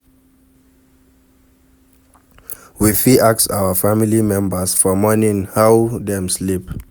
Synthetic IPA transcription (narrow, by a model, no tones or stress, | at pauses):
wifiʔaksawəfamilimɛ̃mbəsfɔmɔnĩŋhawdɛ̃mslip̚